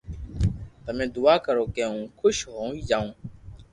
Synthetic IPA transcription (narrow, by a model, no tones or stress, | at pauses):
t̪əmẽːd̪ʊaːkəɾoːkeːũːkʰʊʃɦoːiːd͡ʒaːũː